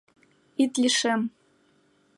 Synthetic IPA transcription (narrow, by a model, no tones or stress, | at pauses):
it̪lʲiʃem